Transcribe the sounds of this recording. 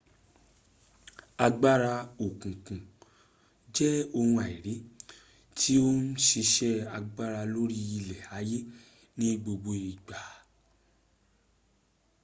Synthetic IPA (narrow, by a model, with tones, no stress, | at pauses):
a˧ɡ͡ba˦ɾa˧o˨kũ˨kũ˨ | d͡ʒɛ˦o˧hũ˧a˨i˨ɾi˨˦ | tʰi˦o˦n̩˦ʃi˧ʃɛ˦a˧ɡ͡ba˦ɾa˧lo˦ɾi˦ji˧lɛ˨a˨˦je˦ | nĩ˦ɡ͡bo˧ɡ͡bo˧i˨ɡ͡ba˨˦